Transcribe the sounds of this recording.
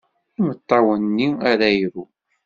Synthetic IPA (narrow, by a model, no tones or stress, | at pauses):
imət̪ˤːɑwənːiæɾæjɾu